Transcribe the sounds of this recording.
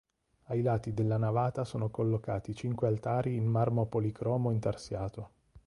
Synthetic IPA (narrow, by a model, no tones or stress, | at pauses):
ajlaːt̪id̪elːanavaːt̪asoːnokolːokaːt̪it͡ʃiŋkwealt̪aːɾiːnmarmopolikɾɔːmoint̪arsjaːt̪o